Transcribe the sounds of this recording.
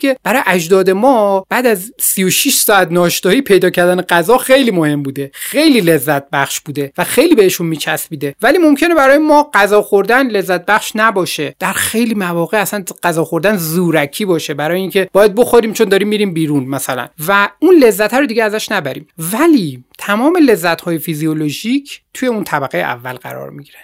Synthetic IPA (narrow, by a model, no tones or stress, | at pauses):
kʰe̞b̥æɾɒːjeʔæd͡ʒd̪ɒːd̪e̞mɒːb̥æːd̪æzsijoʃiʃsɒːæt̪nɒːʃt̪ɒːhipʰe̞jd̪ɒːcʰæɾd̪æneɡæzɒːxejliːmohe̞mbuːd̪e̞xe̞jliːle̞zːæt̪̚bæxʃbuːd̪e̞væxe̞jliːbeheʃunmiːt͡ʃʰæsbiːd̪e̞væliːmo̞mcʰe̞ne̞bæɾɒːjemɒːɢæzɒːxoɾd̪ænle̞zːæt̪̚bæxʃnæbɒːʃed̪̥æɾxe̞jliːmævɒːɣeæsænɢæzɒːxo̞ɾd̪ænzuːɾækʰiːbɒːʃe̞bæɾɒːjeiːŋcʰeb̥ɒːjæd̪̚boxoɾiːmt͡ʃʰo̞nd̪ɒːɾiːmːiːɾiːmbiːɾunmæsælæ̰nvæunle̞zːæt̪ʰæɾod̪iːɟeæzæʃnæbæɾiːmmvæliːt̪ʰæmɒːme̞le̞zːæt̪hɒːjefizioloʒicʰt̪ʰuje̞unt̪ʰæbæɣejeʔæ̰vːæ̰lɢæ̰ɾɒ̰ːɾmiɟiɾæn̥